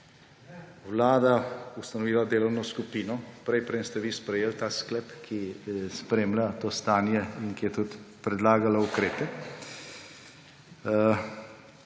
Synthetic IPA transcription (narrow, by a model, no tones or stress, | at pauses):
wlaːd̪aust̪anɔʋiːlad̪eːlɔwnɔskupiːnɔpɾɛjpɾɛmst̪ɛʋispɾɛjeːlt̪asklɛpkʰispɾeːmlat̪oːst̪aːnjɛinkijɛt̪ut̪pɾɛd̪laːɡalaukɾeːpɛ